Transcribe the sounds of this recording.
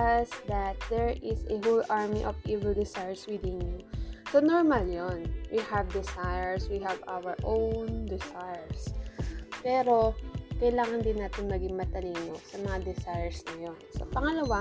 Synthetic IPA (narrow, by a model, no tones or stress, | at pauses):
ɐsd̪ɐt̪̚d̪ɛɹʔɪsɛɦulʔaɹmiʔovʔivɛld̪ɪsajɛɹswid̪ɪnjusonoɹmɐljonwihɐvd̪ɪsajɛɹswiɦɐvʔa̰wəɹʔownd̪ɪsajɛɹs | pɛːɾo̞kɐjlaːŋɐnd̪ɪnːaːt̪ɪnmɐɡɪŋmɐt̪ɐliːnosɐmɐŋad̪ɪsajɛɹsnɐjonsɐ̰pɐŋɐlɐwa